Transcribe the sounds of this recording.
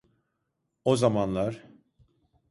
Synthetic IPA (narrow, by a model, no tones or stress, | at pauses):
ozamanlˠaɾ̥